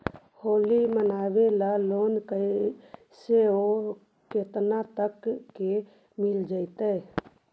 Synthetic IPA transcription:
hoːlimənaːwelaloːnkə | seo | keːt̪nat̪əkːe | mɪld͡ʒaːɪt̪ɛː

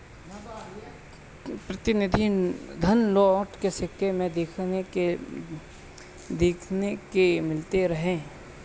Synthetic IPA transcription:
pɾɐt̪ɪnɪd̪ʱid̪ʱɐnlɔːʈkesɪkʰːemẽd̪eːkʰe | d̪eːkʰnekemɪlt̪eɾɐɦẽː

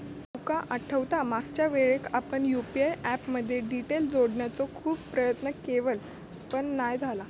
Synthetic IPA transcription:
t̪okaʔəʈʰəʋt̪amaɡt͡ɕjaʋeɭekʰapəɳjupiajæpməd̪ʱːjeɖiʈeld͡zoɽɳjat͡sɔkʰuːbpːɾəjət̪nəkeʋəl | pəɳnajd͡zʱala

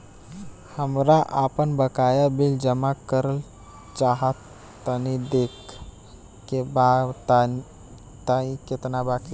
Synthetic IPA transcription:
həmɾaʔapənbəkajabild͡ʒəmakəɾəl | t͡ʃaɦət̪ː | ənid̪ekː | ebat̪ | t̪aĩket̪nabaki

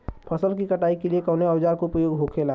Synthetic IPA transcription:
pʰəsəlkikəʈaːikeliekəʊneɔwd͡ʒaɾkopɾəjoːɡɦokʰela

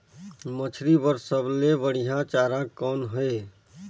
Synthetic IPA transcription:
mət͡ʃʰɾibəɾsəblebəɽiɦãt͡ʃaːɾãkɔːnɦəe

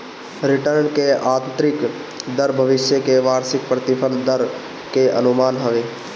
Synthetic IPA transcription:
ɾɪʈəɾnkeaːt̪ənt̪ɾɪk | d̪əɾbʱəʋɪʃjəkeʋaːɾsɪk̚pɾət̪ɪpʰənd̪əɾ | keə̰nʊmaːnɦəʋeː

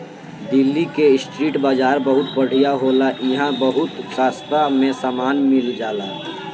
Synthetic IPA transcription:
d̪ɪlːikesʈɾiːʈbaːd͡ʒaːɾbəɦʊt̪pəɽ̤ijaɦoːlaʔɪɦãbəɦʊt̪kaːst̪ɾamẽsaːmaːnmɪld͡ʒaːla

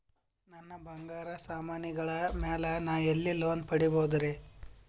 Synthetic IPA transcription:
nɐnːɐbɐŋɡaːɾɐsaːmaːniɡɐɭɐmeːlɐnaːelːiloːn̚pɐɽiboːud̪ɐɾe

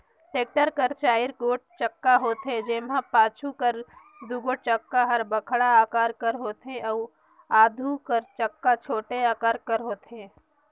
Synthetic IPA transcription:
ʈeːk̚ʈəɾkəɾt͡ʃaːɪɾkoːʈ̚t͡ʃəkːaɦoːt̪ed͡ʒeːmãpaːt͡ʃʰukəɾ | d̪ʱuɡot͡ʃəkːaɦɐɾbəkʰɽaaːkaːɾkəɾɦoːt̪ʰeɔː | aːd̪ʱukəɾt͡ʃəkːat͡ʃʰoːʈeaːkaːɾkəɾɦoːt̪eː

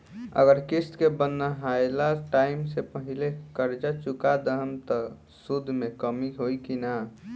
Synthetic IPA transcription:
ə̰ɡəɾkist̪kebənːəɦaelaʈaimsepəɦilekəɾd͡ʒat͡ʃukad̪əɦəmt̪ɔ | sud̪ʱmekəmiɦojkina

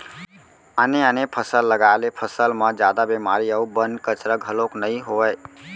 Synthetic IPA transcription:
əneənepʰəsəlːəɡalepʰəsəlmə̃d͡ʒjad̪abemaɾiəubənkət͡ʃɾəɡʱəloknəĩɦoəj

